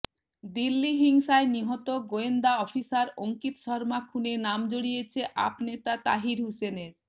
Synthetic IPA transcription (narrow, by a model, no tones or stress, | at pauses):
d̪ilːiɦiŋʃaeniɦɔt̪oɡoend̪aɔfisaɾoŋkit̪ʃɔɾmakʰunenamd͡ʑoɽijet͡ɕʰeʔa̰pnet̪at̪a̰ɦiɾɦuseneɾ